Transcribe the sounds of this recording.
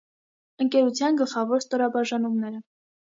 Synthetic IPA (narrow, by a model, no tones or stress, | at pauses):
əŋkɛɾut͡sʰjɑnɡəlχɑvɔɾst̪ɔɾɑbɑʒɑnumnɛɾə